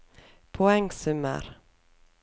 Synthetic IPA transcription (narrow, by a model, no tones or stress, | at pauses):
pʰɔɛŋsɵmːə̰ɾ